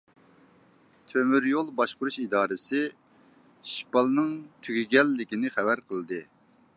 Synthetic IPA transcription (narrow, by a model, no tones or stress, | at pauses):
t̪ʰømyɾjolˠbɑʃqʊɾuʃid̪ɑːɾɨsɨ | ʃipɑlˠnɨŋt̪ʰyɡʲiɡʲɛlːɪkʲinɪχɛvæɾqʰəlˠd̪ɨ